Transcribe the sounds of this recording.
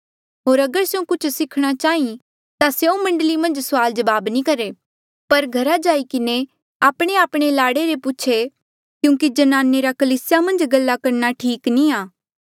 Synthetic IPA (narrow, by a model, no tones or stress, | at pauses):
ɦoːɾɐɡəɾseũkʊt͡ʃʰsɪkʰɽ̃at͡ʃaːĩ | t̪aseũmɐ̃ɳɖlimɐ̃nd͡ʒsʊʋaːld͡ʒɐbaːbnĩkɐɾe | pɐɾɡʱɐɾad͡ʒaːikɪne | aːpɽ̃eaːpɽ̃elaːɽeɾepʊːt͡ʃʰe | kjũːkid͡ʒɐnaːneɾakɐliːsɪjamɐ̃nd͡ʒɡɐlːakɐɾnaʈʰiːknĩaː